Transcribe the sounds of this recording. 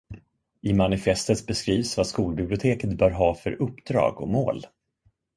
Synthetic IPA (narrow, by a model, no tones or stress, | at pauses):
ɪmanɪfɛst̪ət̪bɛskɾiːvsvaskuːlbɪblɪʊt̪ʰeːkət̪bœːɾɦɑːfœɾʔɵpːd̪ɾɑ̰ːɡɔ̰moːl